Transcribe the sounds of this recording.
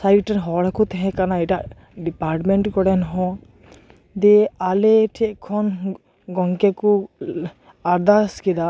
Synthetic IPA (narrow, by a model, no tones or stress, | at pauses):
sajʈɛnɦɔɽakut̪ɛɦɛ̃kanaɛʈa | ɖipaɾʈmeɳʈkɔɽɛnɦɔ̃ | d̪ɛaleʈʰɛʔkʰɔn | ɡɔŋkeku | aɾd̪askid̪a